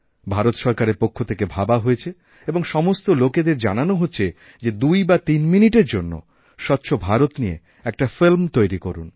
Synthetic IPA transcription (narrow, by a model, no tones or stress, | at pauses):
bʱaɾot̪ʃɔɾkaɾeɾpokʰːot̪ʰekebʱabaɦojet͡ɕʰe | eboŋʃɔmost̪oloked̪eɾd͡ʑa̰nanoɦotːɕʰe | d͡ʑed̪ujbat̪inminiʈeɾd͡ʑonːo̰ | ʃɔtːɕʰobʱaɾot̪niḛ | ɛk̚ʈafilmt̪ojɾikoɾṵn